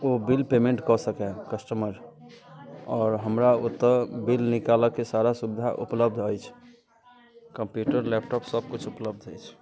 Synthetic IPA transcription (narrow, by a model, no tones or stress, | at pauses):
obilpemẽɳʈkɔsəkɛkəsʈəməɾ | ɔːɾɦəmɾaot̪əbilnikaləkesaɾasubid̪ʱa̰ʔṵpləbd̪ʱəjt͡ʃʰ | kəmpjuʈəɾlɛp̚ʈɔpsəb̚kut͡ʃʰupləbd̪ʱəjt͡ʃʰ